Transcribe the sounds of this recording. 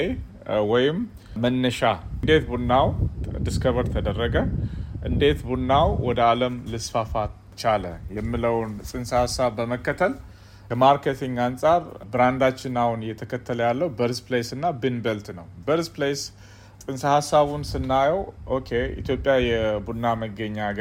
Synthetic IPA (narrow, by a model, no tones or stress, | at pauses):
e | wɔjɪm | mənːəʃad̪e̞t̪bunːawd̪iskʰəβəɾt̪ʰəd̪ərːəɡəʔɨnd̪e̞t̪bunːawwɔd̪əaləmlɨsfafa | t͡ʃaləjɛmːɨləwnsʼɨnsəhasːaβːəməkːət̪ʰəl | kʰəmaɾkʰet̪ʰiŋɡansʼaɾbɨɾand̪at͡ʃːɪnahunjɛt̪ʰəkʰət̪ʰːələjalːəwubəɾsplesɨnːabɨnbelt̪nəwbəɾsples | sʼɨnsəhasːaβunsɨnːajɛwʔokʰe̞ḭt̪jo̞pʼjajɛbunːaməɡːəɲːaɡ